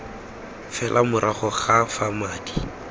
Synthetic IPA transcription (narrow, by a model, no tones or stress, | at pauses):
fɛlʔamʊɾʔaχɔχafamaːdi̥